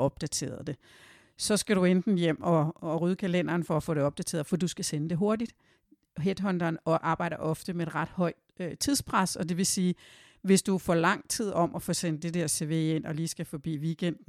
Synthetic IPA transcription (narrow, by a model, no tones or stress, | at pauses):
ʔɒ̽b̥̚d̥æt͡sʰe̝̰ːɐðˠd̥e̝ | sɒ̽sɡ̥æɾ̥uend̥n̩jem̰ɒ̽ʁyðˠəkʰælen̰ɐːnfɒ̽æfɔ̰ːɾe̝ɒ̽b̥̚d̥æt͡sʰe̝ːɐð̩ˠfɒd̥usɡ̥æsenəd̥e̝ɦo̝ɐdid̥ | ɦed̥ɦɒ̽nd̥ɐːnɒ̽ʔɑ̈ːb̥ɑ̈ɪ̰d̥ɐʔɒ̽fd̥əmee̝d̥ʁɑ̈d̥hɒ̽ɪ̰̥ | øt͡sʰiðˠspʰʁasɒ̽d̥e̝ʋe̝siː | ʋe̝sd̥ufɒlɑ̈ŋ̰t͡sʰið̞̰ˠɒ̽mʔɒfoːsenəd̥e̝d̥eɐ̰se̝ʋe̝̰e̝n̰ɒ̽liːsɡ̥æfɒ̽b̥ḭːʋiːɡ̥en̰d̥n̩